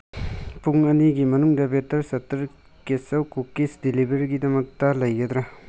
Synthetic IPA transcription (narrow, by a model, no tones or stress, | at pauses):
puŋɐniɡimɐnuŋdɐbetɐɾsɐtːɐɾ | kesɐwkukesdilibeɾɡidɐmɐk̚tɐlɐjɡɐd̪ɾa